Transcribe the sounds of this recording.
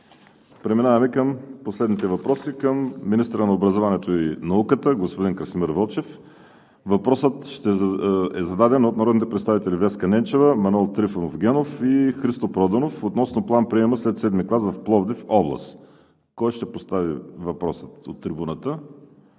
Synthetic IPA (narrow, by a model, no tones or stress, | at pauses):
pɾɛminavɐmɛkəmposlɛd̪nit̪ɛvɐpɾɔsikəmːinist̪əɾənɐobɾɐzovɐnɛt̪oinɐukət̪əɡospod̪inkɾəsimiɾvɔlˠt͡ʃɛf | vɐpɾɔsət̪ʃt̪ɛɛzɐd̪ad̪ɛnot̪̚nɐɾɔd̪nit̪ɛpɾɛt̪savit̪ɛlivɛskɐnɛnt͡ʃɛvəmɐnuɛlˠt̪ɾifənofɡʲɛnofixɾist̪opɾɔd̪ɐnofot̪nɔsnoplˠanpɾiɛməslɛt̪sɛd̪miklˠazvɐfplˠɔvd̪ifɔblˠɐ̰st̪ | kɔjʃt̪ɛpost̪avḭvɐpɾɔsə̥t̪o̰t̪ːɾibunət̪ə